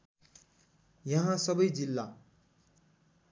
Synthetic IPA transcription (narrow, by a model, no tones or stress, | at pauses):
jʌɦãsʌbʌjd͡zilːa